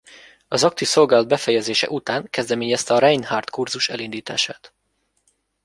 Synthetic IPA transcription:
ɒzɒk̚t̪iso̞lɡaːlɒd̪bɛfɛjɛzeːʃɛ̰ʔut̪aːŋkɛzd̪ɛmeːɲɛst̪ɛɒɾɛjnhart̪kurzuʃɛlind̪iːt̪a̰ːʃaːt̪

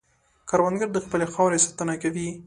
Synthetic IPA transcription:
kaɾwand̪ɡəɾd̪əxpəlexɑwɾesat̪anakawi

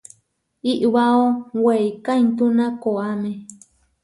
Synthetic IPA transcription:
iʔwaowejkajnt̪unãkoamẽ

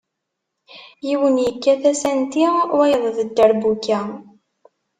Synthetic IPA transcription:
jiwənjəkːæθæsænt̪iwæjəðˤðəd̪ːəɾbukːæ

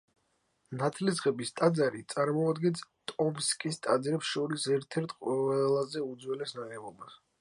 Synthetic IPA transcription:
nat̪ʰlizʁɛbist̪ʼad̪zaɾit̪sʼaɾmɔad̪ɡɛnst̪ʼɔmskʼist̪ʼad̪zɾɛpsʃɔɾisɛɾt̪ʰɛɾt̪ʰqʼwɛlˠazɛud̪zwɛlɛsnaʁɛvɔbas

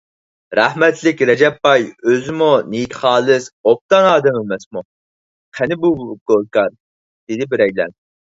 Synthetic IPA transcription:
ɾæhmɛt̪ʰlɪkʲɾɛd͡ʒɛpːɑjøzɪmunijt̪χɑːlˠɨsop̚t̪ɑnɑːd̪ɛmɪmɛsmu | qʰænɪbuɡ̥olˠkɑɾ | d̪̥ɪd̪ɪbɪɾɛjlɛ̰n

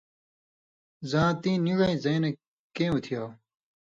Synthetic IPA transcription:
zãːt̪ĩːniɻeĩzɐ̃ːne | kẽːut̪ʰijaː

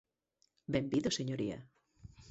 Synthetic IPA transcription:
bembiðoseɲoɾia̰

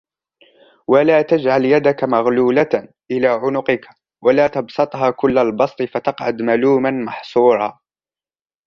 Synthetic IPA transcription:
walaːt̪ad͡ʒʕaljad̪akamaɣluːla | ʔɪlaːʕʊnʊqɪka | walaːt̪ɑbsˤɑt̪ˤɦaːkʊlːalbɑsˤt̪ˤɨfat̪ɑqʕad̪maluːmanmɑħsˤuːɾˤɑ̰ː

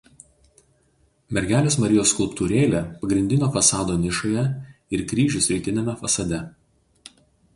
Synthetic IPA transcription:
mʲɛɾʲɡʲæːlʲeːsmɐɾʲɪjoːskʊlˠpt̪uːɾʲeːlʲepɐɡɾʲɪnʲd̪ʲɪnʲoːfɐsɑːd̪oːnʲɪʃoːjɛɪɾkɾʲiːʒʲʊsʲɾʲɪt̪ʲɪnʲɛmʲɛfɐsɐd̪ʲɛ

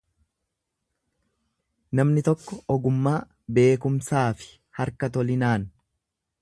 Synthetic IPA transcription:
nɐmnɪt̪ɔkːɔɔɡʊmːaː | be̞ːkʊmsaːfɪ̥ | hɐɾkɐt̪ɔlɪnaːn

